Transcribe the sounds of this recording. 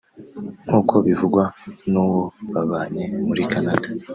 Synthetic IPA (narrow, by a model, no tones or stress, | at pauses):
ŋ̥huːkʰo̞βivuɡwanuːwo̞βaβaːɲe̞muɾikʰanadḁ